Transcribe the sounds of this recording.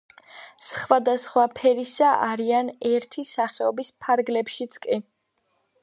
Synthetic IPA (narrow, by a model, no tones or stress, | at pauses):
sχwad̪asχwapʰɛɾisaʔaɾianɛɾt̪ʰisaχɛɔbispʰaɾɡlɛpʃit̪sʰkʼi